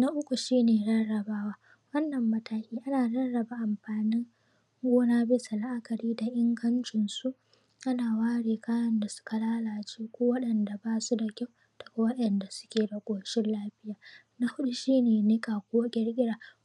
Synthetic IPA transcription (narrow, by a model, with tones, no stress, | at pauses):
na˦ʔʊ˦kʷu˨ʃiː˦neː˨ɽɐ˦ɽɐ˨baː˦waː˦ | wɐ˦nːɐ˨mːɐ˦taː˦kʲiː˦ʔa˦naː˨ɽɐ˦nɽɐ˨ba˨ʔa˨mɸaː˨nɪ˦ŋ | ɡʷoː˦naː˦bɪ˦sa˨la˦ʔa˦kɐ˨ɾiː˦da˨ʔɪ˦ŋɡɐ˦nt͡ʃɪ˨nsu˦ʔ | ʔa˦naː˨waː˦ɽeː˨kʰaː˦jɐ˦nda˨sʊ̥˦ka˨laː˦laː˨t͡ʃeː˦kʷoː˦wɐ˦ɗɐ˨nda˨baː˦su˦da˨kʲa˦w | tɐ˨ka˦wɐ˦ɗɐ˨nda˨sʊ̥˦kʲeː˨da˨ɡʷoː˨ʃɪ˦nlaː˦ɸɪ˦jaː˨ | na˦hʊ˦ɗu˦ʃiː˦neː˨nɪ˦kʼaː˨kʷoː˦ɡʲɐ˦rɡʲɪ˦ɽaː˨